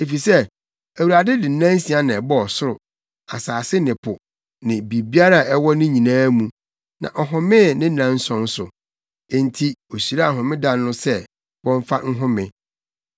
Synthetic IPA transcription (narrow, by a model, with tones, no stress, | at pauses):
e˨fi˨sɛ˦ | æ˨wu˨ɾa˨dɪ˦dɪ˨˦nã˦n˦si˨˦a˦nã˨ɛ˨bɔ˦ɔ˨sʊ˦ɾʊ˨ | a̰˨saː˨sɪ˦nɪ̃˨pʰʊ˨ | nɪ̃˨bi˨bi˦a˦ɾa˦˨ɛ˦wɔ˦nɪ̃˦ɲĩ˨nãː˦mũ˨ | nã̰˨ʔɔ˨ɦʊ̃˨mɪ̃˦˨nɪ̃˦nã˨n̩˦sɔ̃˦n˦sʊ˨ | e˦ntʰi˦o˨ɕi˨ɾa˦˨ɦʊ̃˨mɪ̃˦dã˦nː˦ʊ̃˦sɛ˦ | wɔ̃˦ɱ˦fa˦ŋ̩˦ɦʊ̃˦mɪ̃˨